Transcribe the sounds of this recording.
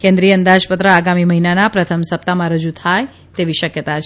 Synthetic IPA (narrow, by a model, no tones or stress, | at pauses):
kẽnd̪ɾijəənd̪aʃpət̪ɾəaɡamiməɦinanapɾət̪ʰəmsəp̚t̪amãɾəd͡ʒut̪ʰaj | t̪eʋiʃəkjət̪at͡ʃʰ